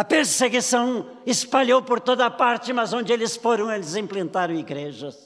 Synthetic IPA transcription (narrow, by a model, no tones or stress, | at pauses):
ɐpeɾseɡisɐ̃w̃ | ɪspaʎowpoɾt̪od̪ɐpaɾt͡ʃɪmɐzõnd͡ʒɪelɪsfoɾɐ̃w̃elɪzẽmplẽnt̪aɾɐ̃w̃iɡɾeʒɐs